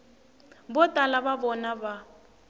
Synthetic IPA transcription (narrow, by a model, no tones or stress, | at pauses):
bɔtʼalababɔnaba